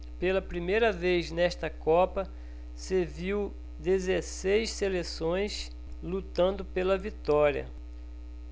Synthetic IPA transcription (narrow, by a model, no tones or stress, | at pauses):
pelɐpɾimejɾɐvejznɛʃt̪ɐkɔpɐ | seviw | d̪ezesejsselesõj̃s | lut̪ɐ̃nd̪ʊpelɐvit̪ɔɾiɐ̰